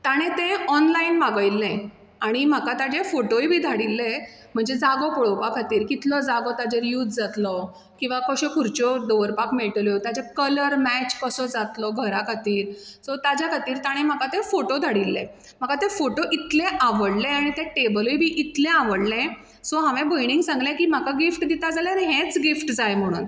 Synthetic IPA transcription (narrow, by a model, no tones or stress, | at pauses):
t̪aɽ̃ẽt̪eɔnlainmaɡəjlːẽ | aɽ̃im̤akat̪ad͡ʑefoʈoibʱiːd̪ʱaɽilːe | m̤əɳd͡zed͡zaɡɔkoɭɔwpakʰat̪iːɾkit̪lɔd͡zaɡɔt̪ad͡ʑeɾjuːd͡zd͡zat̪lɔ | kĩw̃ʋakəɕɔkuɾt͡ɕɔɖɔʋəɾpakmeɭʈljɔt̪ad͡ʑekələɾmæt͡ɕkəsɔd͡zat̪lɔɡʱəɾakʰat̪iːɾsɔt̪ad͡ʑjakʰat̪iːɾt̪aɽ̃em̤akat̪efoʈod̪ʱaɽilːḛ̃ | m̤akat̪efoʈoʔit̪lẽʔaʋəɽlẽaɽ̃it̪ẽʈebəljbʱiːʔit̪lẽaʋəɽlẽ | sɔɦãʋẽbɔjniŋɡsãŋɡlẽkiːm̤akaɡifʈd̪it̪ad͡zalaɾiɦẽt͡sɡifʈd͡zajm̤əɽ̃ṵːn